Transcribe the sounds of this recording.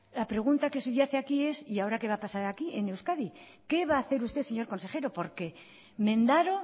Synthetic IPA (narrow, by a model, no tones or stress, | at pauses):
lapɾe̞ɣ̞unt̪ake̞suʝaθeakie̞siao̞ɾake̞β̞apasaɾakiʔe̞newskaði | ke̞β̞aːθe̞ɾust̪e̞se̞ɲo̞ɾko̞nse̞χe̞ɾo̞po̞ɾke̞ | mẽ̞nd̪aɾo̞